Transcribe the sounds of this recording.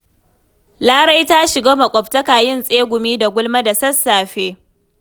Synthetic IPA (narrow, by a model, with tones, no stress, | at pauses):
laː˦ɽa˦jta˦ʃɪ˨ɡaː˦mɐ˨kʷʼɔ˨ptɐ˦kaː˨jɪ˦nsʼeː˦ɡʷʊ˨miː˦da˨ɡʷʊ˦lma˦da˨sɐ˦sːaː˨ɸeː˦